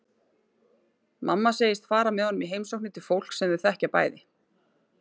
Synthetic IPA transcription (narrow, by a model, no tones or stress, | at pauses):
mʔamːaseːjɪst̪faːɾamɛðhɔnʏmiɦejmsowknɪt̪ʰɪlfowl̥ksɛmvɪɾ̥θɛhcaɾpa̰ːjðɪ